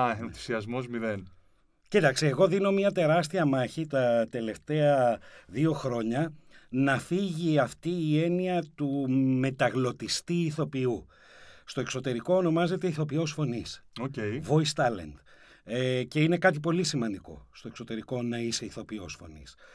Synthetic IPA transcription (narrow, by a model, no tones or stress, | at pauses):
enpθi̥siɐzmo̞zmiðen | cit̪ɐkseeɣo̞ðino̞miɐt̪e̞ɾɐs̬t̪iɐmɐçit̪ɐt̪e̞le̞ft̪e̞ɐðio̞xɾo̞ɲɐnɐfiʝiɐft̪iːe̞niɐt̪ume̞t̪ɐɣlo̞t̪ist̪iːθo̞piu | st̪o̞e̞kso̞t̪e̞ɾiko̞ːno̞mɐze̞t̪eiθo̞pio̞sfo̞nisocejvo̞jst̪ɐlɐ̰nd̪ | ece̞ine̞kɐt̪ip̬o̞lisimɐnd̪iko̞̰st̪o̞ekso̞t̪e̞ɾiko̞nɐise̞iθo̞pio̞sfo̞̰nḭs